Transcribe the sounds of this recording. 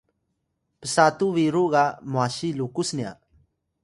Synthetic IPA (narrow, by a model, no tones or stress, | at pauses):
pəsat̪uʋiɾuɡamoaɕilukusnija̰